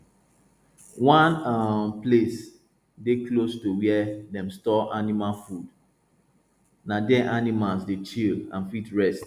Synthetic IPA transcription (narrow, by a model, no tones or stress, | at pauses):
wɔ̃nʌmples | deklostuwɛdɛ̃mstɔʔanimalfud | nadɛʔanimalsdet͡ʃilã̰nfitɹɛst